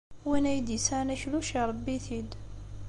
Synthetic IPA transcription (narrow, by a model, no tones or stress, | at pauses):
winæjd̪isænæçluʃiɾˤɑbːiθid̪